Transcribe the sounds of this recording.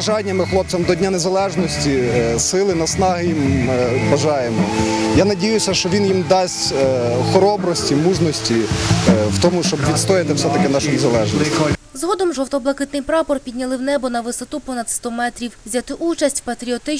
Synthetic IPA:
ʒɑnʲːɐmɪxlˠɔp̪̚sɐmd̪ɔdʲnʲanezɐlˠɛʒnɔsʲtʲisɪlˠɪnɐsnɑɦɪjimbɐʒɑjemɔjanɐdʲijʊsʲɐʃt͡ʃɔʋʲinjimd̪ɑsʲtʲxɔɾɔbɾɔsʲtʲimuʒnɔsʲtʲi | wt̪ɔmʊʃt͡ʃɔbʋʲidt̪st̪ɔjɪt̪ɪwsɛt̪ɐkɪnɑʃʊnezɐlˠɛʒniszɦɔd̪ɔmʒɔwt̪ɔblˠɐkɪt̪nɪjpɾɑpɔrpʲid̪ʲnʲɐlˠɪwnɛbɔnɐʋɪsɔt̪upɔnɐd̪st̪ɔmɛt̪ɾʲiwzʲat̪ɪʔut͡ʃɐsʲtʲwpɐt̪ɾʲiɔt̪ɪ

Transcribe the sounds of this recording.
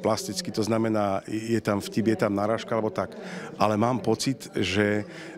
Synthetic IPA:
plast̪it͡skit̪ɔznamɛnaːjɛt̪amfcibjɛt̪amnaɾaːʃkaalɛbɔt̪akʔalɛmaːmpɔt͡sit̪ʒɛ

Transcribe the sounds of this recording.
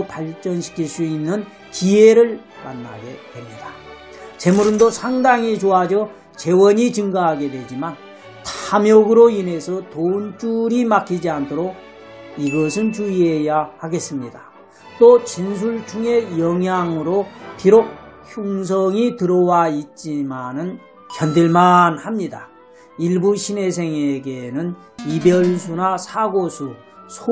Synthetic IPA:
paɭt͡ɕ͈ʌnɕʰi̥kʰiɭs͈uinːɯn | kieɾɯɭ | ma̰nːa̰ɡe̞dwe̞mɲida | t͡ɕe̞muɾɯndosʰaŋdaŋit͡ɕoad͡ʑʌ | t͡ɕe̞wʌɲit͡ɕɯŋɡaɦaɡe̞dwe̞d͡ʑiman | tʰamjʌɡɯɾoinɦe̞sʰʌtount͡ɕ͈uɾimakʰid͡ʑiantʰoɾoɡ̚ | iɡʌsʰɯnt͡ɕuie̞jahaɡe̞s͈ɯmɲida | t͈ot͡ɕins̬ʰuɭt͡ɕʰuŋe̞jʌŋjaŋɯɾopiɾoçuŋs̬ʰʌŋitɯɾʌwait̚t͡ɕ͈imanɯn | kjʌndeɭmanhamɲida | iɭbuɕʰine̞s̬ʰe̞ŋeɡe̞nɯn | ibjʌɭsʰunasʰaɡosʰu | sʰo

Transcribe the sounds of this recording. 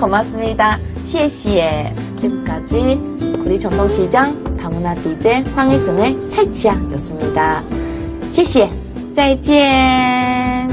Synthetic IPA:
kʌmas͈ɯmɲida | ɕʰieɕie | t͡ɕiɡɯmk͈ad͡ʑi | kuɾit͡ɕʌŋtʰʌŋɕʰid͡ʑaŋtamunatid͡ʑe̞ɸwaŋis͈ɯŋet͡ɕʰat͡ɕʰiajʌs͈ɯmɲida | ɕʰieɕ͈ie | t͡ɕat͡ɕ͈ie

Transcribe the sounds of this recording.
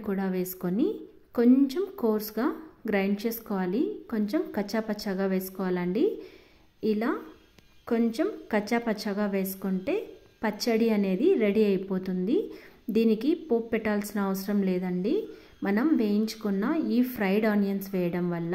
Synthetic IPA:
kuːɽaːʋe̞ːsu̥koni | ko̞ɲt͡ʃemkoːɾsɡaːɡɾaːjɳɖt͡ʃeːsu̥kɔːʋaːliko̞ɲt͡ʃemkɐt͡ʃːɐpɐt͡ʃːɐɡaːʋeːsu̥kɔːʋaːlɐɳɖi | ilaː | ko̞ɲt͡ʃemkɐt͡ʃːɐpɐt͡ʃːɐɡaːʋe̞ːsu̥kuɳʈe̞ː | pɐt͡ʃːɐɽiɐne̞ːd̪iɾe̞ɽiɐjpo̞ːt̪und̪id̪iːnikipoːpːɛʈːaːlsinɐːʋɐsɐɾɐmlɛːd̪ɐɳɖi | mɐnɐmʋeːjiɲt͡ʃu̥kunːɐiːpʰɾɐjɖaːnijɐnsʋɛːjɐɽɐmʋɐlːɐ

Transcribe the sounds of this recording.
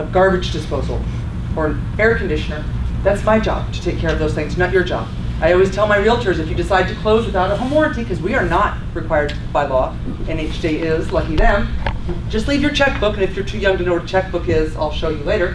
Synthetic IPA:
əɡɑɹbɨd͡ʒdɨspoʊzl̩ˠ | ə˞ɨ̃n | ɛɹkʰn̩dɪʃɨnə˞ðætsmaɪd͡ʒɑ̰b̥̚tʰɨ̥tʰeɪkʰːɛɹʌvðoʊz̥θɪ̃ŋznət͡ʃə˞d͡ʒɑ̰b̥ | aɪɔlˠwiz̥tʰɛlˠmaɪɹilˠtʰə˞zɨfjɨdɨsaɪd̚tʰɨkʰl̥oʊzwɨθaʊɾəɦəmɔɹɨtikʰʌzwiə˞nət̚ɹɨkʰw̥aɪə˞d̚b̥aɪlɔ | ɨ̃net͡ʃd̥eɪɪzlʌkiðɨ̃m̥d͡ʒʌstˡlivjə˞t͡ʃʰɛk̚b̥ʊkɨ̃nɨfjə˞tʰʉjʌ̃ŋtɨnoʊt͡ʃʰɛk̚b̥ʊkɪza̰ɪlˠʃoʊjɨleɪɾə˞

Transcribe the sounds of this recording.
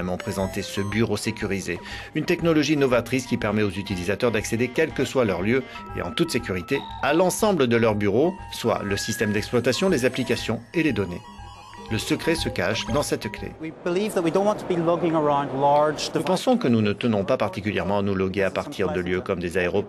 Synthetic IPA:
ɛmɑ̃pχezɑ̃t̪esəbyʁosekʲyʁize | ynt̪ɛknɔlɔʒinɔvat̪χiskʲipɛʁmɛozyt̪ilizat̪œʁd̪aksed̪ekʲɛlkəswalœʁljø | ḛʔɑ̰̃t̪ut̪sekʲyʁit̪ealɑ̃sɑ̃bləd̪əlœʁbyʁoswa̰ləsist̪ɛmd̪ɛksplwat̪asjɔ̃lezaplikasjɔ̃eled̪ɔnḛ | ləsəkχɛsəkaʃd̪ɑ̃sɛt̪klḛwibɪlivðət̚widõʊ̃nʔwɑ̃ntʰəbilʊkɪ̃ŋə˞ãʊ̃ndlɑɹd͡ʒpɑ̃sɔ̃kənunət̪ənɔ̃papaʁt̪ikʲyljɛʁmɑ̃anulɔɡeapaʁt̪ʰiʁd̪əljøkɔmd̪ezaeʁɔp

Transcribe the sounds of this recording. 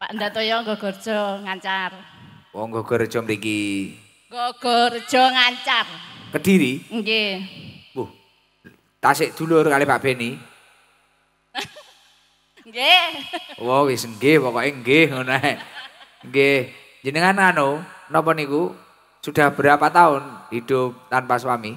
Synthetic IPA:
pandat̪ojɔŋɡɔɡ̥ɔrd̥d͡ʒ̥ɔŋaɲt͡ʃarwɔŋɡɔɡ̥ɔɾd̥ʒ̥ɔməɾiki | ŋɡɔɡ̥ɔr̥ʒ̥ɔ̤ŋaɲt͡ʃarkəd̥iɾiŋɡe | buh | t̪asɪʔd̪̥ṳlʊrkalipaʔb̥eni | ŋɡe | wɔwisəŋɡehpɔkɔʔiŋɡehŋonoɛ | ŋɡe | ɲd͡ʒənəŋanŋanonɔp̬ɔniku | sud̥a̤hb̥əɾapat̪aʊnhid̪̥ʊp̚t̪anpaswami

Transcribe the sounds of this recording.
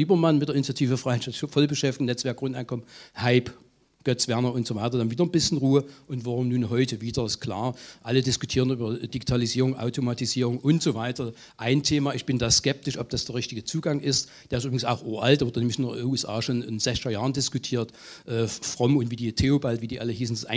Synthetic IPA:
liːbɐmanmɪt̚d̥eːɐɪnit͡sjatʰiːvəfʁ̥aɪnʃafɔlbəʃɛftɪ̥nɛt͡sv̥ɛɐkɡ̥ʁʊnta̰ɪnkɔmənhaɪp | ɡ̥œt͡sv̥ɛɐnɐʊntz̥oːvaɪtɐdanviːdɐnbɪsçn̩ʁuːəʔʊntv̥aʁʊmnuːnɦɔʏtəviːdɐɪskʰl̥a̰ːɐʔalədɪskʊtʰiːʁənʔyːbɐd̥iɡitʰaliziːʁʊŋʔa̰ʊtʰomatiziːʁʊŋʔʊntz̥oːvaɪtɐ | ʔaɪntʰeːmaːɪçb̥ɪndaːskɛp̚tɪʃʔɔp̚d̥asd̥eːɐʁɪçtɪɡət͡suːɡaŋʔɪst | d̥eːɐɪs̬tybʁɪɡŋsa̰ʊxʔuːɐʔaltd̥eɐvɪɐdənɛmɪçɪndɐuːɛsʔa̰ːʃoːnɪnz̥ɛçɡɐjaːʁəndɪskʊtʰiːɐt | ʔɛːfʁ̥ɔmʊntv̥iːdiːtʰeːobaltviːdiːʔaləɦiːsn̩sʔa̰ɪ

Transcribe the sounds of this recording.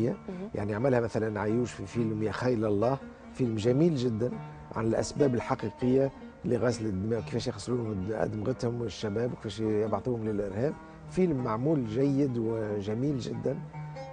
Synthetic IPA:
jːaja̰ʕniʕmɪlhæmæθælænʕajuːʃfifilmjæxajlɑlˤːɑːh | filmʒæmiːlʒɪd̪ːæn | ʕa̰nɪlʔæ̰sbæːbəlħɑqiqəjːa | liɣæslɪd̪ːmæwki̥fæːʃjxsːˤluːhʊmʔæ̰d̪mɣət̪hʊmɪʃːæbæːbwkfæʃjɑbʕt̪ˤuːhʊmlɪlʔɪɾhæːb̚ | filmːaʕmuːlʒæjːɪd̪wɪʒæmiːlʒɪd̪ːæn

